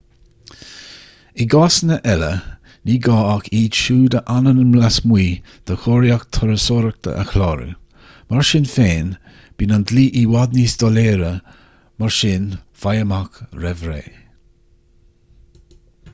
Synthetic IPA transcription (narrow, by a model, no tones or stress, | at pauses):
iɡasnəʔɛlə̰ | niːɡɑːakʰiːd̪ʃuːd̪əʔanənəmlasmwiː | d̪̥əxoːɾjakt̪ʰɔɾəsoːɾək̚t̪ʰə̰ʔə̰xlɑːɾṵ | maɹʃɪnfeːn | b̥iːnand̪liːʔiwad̪nisd̪ɔleːɾə | maɹʃɪnfajəmakɾɛvɾḛː